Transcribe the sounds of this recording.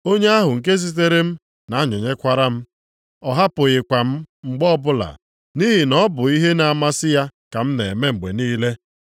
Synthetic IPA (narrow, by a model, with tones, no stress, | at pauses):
o˦ɲe˦a˦ɦʊ˨ŋ̩˨ke˦z̬i˦t̬e˦ɾe˦m̩˦ | na˨˦ɲʊ˨ɲe˦kʷa˦ɾa˦m̩˦ | ɔ˨ɦa˦pʊ˨ɣɪ˨kʷa˨m̩˦ŋ͡m̩˨ɡ͡bɔ˦bʊ˦la̰˨ | ni˦ɦi˨nɔ˦bʊ˨i˦ɦe˦na˨ma˦sɪ˦ja˦ka˨m̩˦ne˨e˨me˦ŋ͡m̩˨ɡ͡bḛ˨niː˦le˦